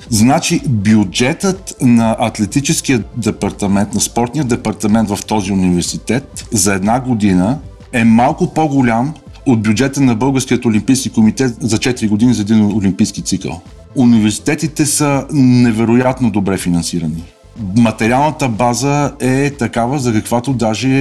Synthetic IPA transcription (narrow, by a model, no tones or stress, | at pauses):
znat͡ʃibjud͡ʒɛt̪ət̪nɐʔɐt̪lɛt̪it͡ʃɛskijəd̪ɛpɐɾt̪ɐmɛnt̪nɐspɔɾt̪nijəd̪ɛpɐɾt̪ɐmɛnt̪vɐft̪ɔziʊnivɛɾsit̪ɛt̪zɐɛd̪naɡod̪inə | ɛmalˠkʊpoɡʊlʲam | ot̪̚bʲjud͡ʒɛt̪ənɐbɤlˠɡəɾskijət̪olʲimpijskikomit̪ɛt̪zɐt͡ʃɛt̪iɾiɡʊd̪inizɐɛd̪inolʲimpijskit̪sikə̰lˠ | univɛɾsi̥t̪ɛt̪it̪ɛsənɛvɛɾojat̪nod̪obɾɛfinɐnsiɾəni | mɐt̪ɛɾialˠnət̪əbazəɛt̪ɐkavəzɐkɐkvat̪od̪aʒɛ